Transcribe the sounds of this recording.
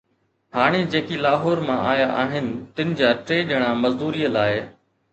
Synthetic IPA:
haːɽ̃ed͡ʑeːkilaːɦoːɾmãʔaːjaʔaːɦɪnɪ̆t̪ɪnɪ̆d͡ʑaːʈɾeːɗəɽ̃aːmɐzd̪uːɾiːəlaːɪ

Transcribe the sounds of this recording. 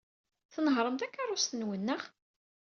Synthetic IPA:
θənəɦɾˤəmt̪ækːarˤːʊst̪ənwənːəχ

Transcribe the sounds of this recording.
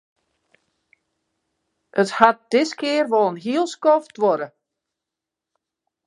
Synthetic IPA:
ʔəthat̚d̥ɪskɪərʋɔlˠənɦiəlˠskɔftʋɔɾə

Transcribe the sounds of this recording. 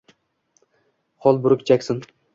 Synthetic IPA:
χɒlˠbʊɾɪkʲt͡ʃʰakʲsɪn

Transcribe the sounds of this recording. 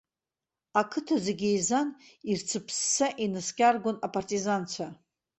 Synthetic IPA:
akʰɨtʰazeɡʲejzanirt͡sʰɨpʰsːaʔinɨskʲʼarɡʷonapʼartʼizant͡ʃʷʰa

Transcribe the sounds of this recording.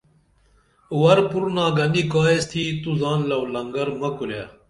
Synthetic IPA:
wɐɾpuɾnaːɡɐnikaːest̪ʰiːt̪uzaːnlɐwlɐŋɡɐɾmɐkulja̰ː

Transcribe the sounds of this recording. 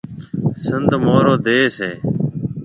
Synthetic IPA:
sɪnd̪ʱmoːɾoːd̪eːseː

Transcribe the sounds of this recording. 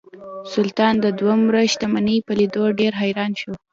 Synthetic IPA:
sʊlt̪ɑnd̪əd̪wamɾəʃt̪amanəpəlid̪oɖeɾɦajɾɑnʃo

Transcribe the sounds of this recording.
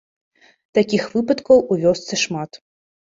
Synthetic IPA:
t̪akʲixvɨpɐt̪kɐwuvʲɔst̪sɐʂmat̪

